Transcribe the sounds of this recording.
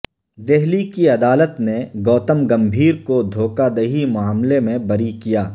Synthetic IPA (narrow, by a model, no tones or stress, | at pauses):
d̪eɦlikiɐd̪aːlət̪neɡɔːt̪əmɡɐ̃mbʱiːɾkod̪ʱoːkad̪ɐɦimʊaːmlemẽbɐɾikijaː